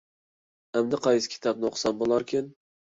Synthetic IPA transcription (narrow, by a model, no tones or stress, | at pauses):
amd̪ɪqʰɑjɪskʲʰɪ̥t̪ʰɑbnɪoqʰsɑmbolˠɑɾkʲʰɪn